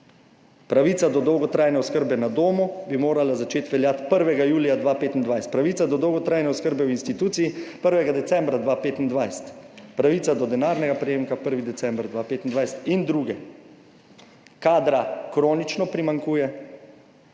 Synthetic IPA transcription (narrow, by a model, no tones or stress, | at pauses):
pɾaʋiːt̪sad̪ɔd̪ɔwɡɔt̪ɾaːjnɛɔskəɾbɛnad̪oːmubimoːɾalazat͡ʃeːt̪ʋɛljaːt̪pəɾʋɛɡajuːlijad̪ʋapeːt̪ind̪ʋajsɛ̥t̪̚pɾaʋiːt̪sad̪ɔd̪ɔwɡɔt̪ɾaːjnɛɔskəɾbɛwinst̪it̪uːt̪sijipəɾʋɛɡad̪ɛt̪sɛ̃mbɾad̪ʋapeːt̪ind̪ʋajsɛ̥t̪pɾaʋiːt̪sad̪ɔd̪ɛnaːɾnɛɡapɾɛjeːmkapəɾʋid̪ɛsɛ̃mbɾd̪ʋapeːt̪ind̪ʋajsɛ̥t̪ind̪ɾuɡɛ | kaːd̪ɾakɾoːnit͡ʃnɔpɾimaŋkuːjɛ